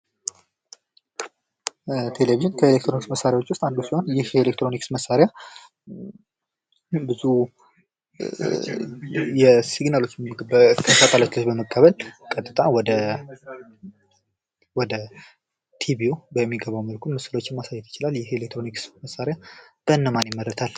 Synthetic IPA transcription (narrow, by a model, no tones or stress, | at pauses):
t̪ʰe̞leviʒɨnkʰəelek̚t̪ɾoniksməsːaɾjawot͡ʃːwʊst̪ʼand̪osiho̞njɪhelekt̪ɾo̞niksməsːaɾeja | bɨzu | jɛsiɡnalo̞t͡ʃːbk̪ʰəsat̪ʼalat͡ʃːləsbəməkʼːəβəlkʼət̪ʼɨt̪ʼawɔd̪ə | wɔd̪ə | t̪ʰibiubəmːiɡəβawməlkʰunmɨsɨlo̞t͡ʃːɪmmasajːɛt̪jɪt͡ʃɪlaljɪhelek̚t̪ʰɾo̞niksməsːaɾjab̥ənːəmanjɪmːəɾət̪ʰal